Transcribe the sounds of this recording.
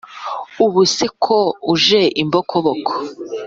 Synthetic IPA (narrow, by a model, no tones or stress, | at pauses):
uβusekʰouʒeʔimbokʰoβokʰo̥